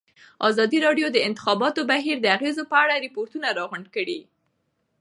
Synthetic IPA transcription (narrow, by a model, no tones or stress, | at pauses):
ɑzɑd̪iɾɑɖjod̪əɪnt̪ɪ̥xɑbɑt̪obaɦiɾd̪əaɣezopəaɽaɾɪpoɾt̪unaɾɑɣʊɳɖkəɽi